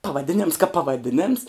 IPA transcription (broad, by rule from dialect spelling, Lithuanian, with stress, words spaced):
pɐʋɐˈdʲɪnʲɛms kɐp pɐʋɐˈdʲɪnʲɛms